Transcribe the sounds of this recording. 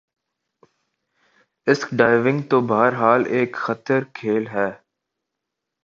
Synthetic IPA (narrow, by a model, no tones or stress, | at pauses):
ɪskɖaːɪʋɪ̃ŋɡt̪obɐɦəɾɦaːleːkxɐt̪əɾkʰeːlɦɛː